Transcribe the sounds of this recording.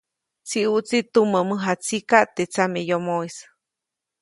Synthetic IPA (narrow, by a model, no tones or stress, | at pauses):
t͡siʔuʔt͡sit̪uməməɦat͡sikaʔt̪et͡samejomoijs